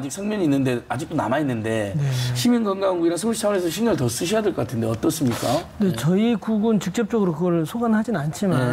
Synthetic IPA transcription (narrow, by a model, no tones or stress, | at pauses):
d͡ʑik̚sʰʌŋmjʌɲiːnːɯnde̞ad͡ʑik̚t͈ona̰mainːɯnde̞ne̞ɕʰiminɡʌnɡaŋɡuiɾansʰoɭɕʰit͡ɕʰawʌɾesʰʌɕʰimɲʌtʌs͈ɯɕ̬ʰijadeɭk͈ʌk͈atʰɯnde̞ʌt͈ʌs͈ɯmɲik͈ane̞t͡ɕʌikuɡɯnt͡ɕik̚t͡ɕ͈ʌp̚t͡ɕ͈ʌɡɯɾokɯɡʌɭsʰoɡanhad͡ʑinant͡ɕʰima